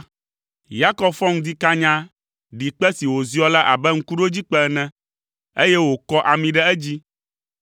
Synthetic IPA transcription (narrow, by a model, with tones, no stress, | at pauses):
ja˦kɔ˦bfɔ˦ŋ̩˦d̪i˦ka˦ɲã˦ | ɖi˨k͡pɛ˦si˨wo˨zi˦ɔ˦la˦ʔa̰˨bɛ˦ŋ̩˦ku˦ɖo˦d͡ʑi˦k͡pɛ˦˨nɛ̃˦ | e˦jɛ˦wo˨kɔ˦ʔa˨mĩ˨ɖɛ˦ɛ˦d͡ʑi˦